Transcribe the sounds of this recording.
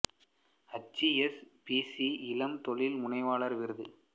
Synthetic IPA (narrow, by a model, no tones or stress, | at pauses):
ɐt͡ʃːiɛspisiɪlɐmt̪ɔɭɪlmʊnɐɪʋaːɭɐɾʋɪɾɯðɯ